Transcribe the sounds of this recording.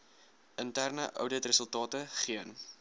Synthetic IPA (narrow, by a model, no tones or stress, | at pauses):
ʔəntærnəʔœ̰wdətrəsəlˠtɑːtəχiən